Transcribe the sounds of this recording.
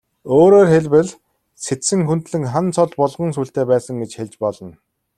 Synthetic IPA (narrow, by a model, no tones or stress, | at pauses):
oːɾoːrxeɮpɘ̆ɮ | set̪sɘ̆ŋxunt̪ɮɘ̆ŋχant͡sʰɔɮpɔɮʁɞ̆ŋsuːɬt̪eːpæːsə̆ŋɡet͡ɕxeɮt͡ɕpɔɮɞ̆n